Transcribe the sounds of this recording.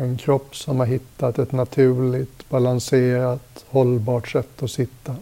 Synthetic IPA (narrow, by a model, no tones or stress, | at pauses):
ɛnkʰɾɔpːsɔmhaɾɦɪt̪ːat̪ɛt̪nat̪ʰʉ̟ːɭɪt̪balanseːɾat̪hɔlbɑːʈʂɛt̪ːɔsɪt̪ːa